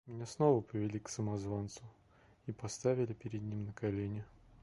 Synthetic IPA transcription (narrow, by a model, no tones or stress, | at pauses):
mʲɪnʲasnovəpɾʲɪvʲɪlʲiksəmɐzvant̪sʊ | ipɐst̪avʲɪlʲɪpʲɪɾʲɪd̪nʲimnəkalʲenʲɪ